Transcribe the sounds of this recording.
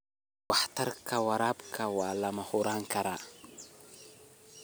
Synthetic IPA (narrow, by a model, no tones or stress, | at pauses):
waħtaɾkʰawaɾapkʰawalamahuɾaŋkaɾa